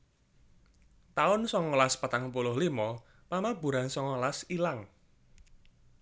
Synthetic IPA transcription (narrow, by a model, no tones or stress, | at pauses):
t̪aʊnsɔŋɔlaspat̪aŋpulʊhlimɔ | mamabṳɾansɔŋɔlasilaŋ